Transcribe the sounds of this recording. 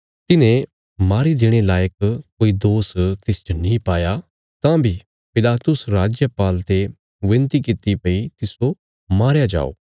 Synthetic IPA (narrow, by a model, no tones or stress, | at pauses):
t̪ɪnẽ | maːɾid̪ɪɽ̃elaːjəkkoːid̪oːst̪ɪsd͡ʒonĩpaːja | t̪ãbʱi | pɪlaːt̪ʊsɾaːd͡ʒjəpaːlt̪e | ʋɪ̃nt̪ikɪt̪ipɐit̪ɪso | maːɾjad͡ʒa̰ːo̰ː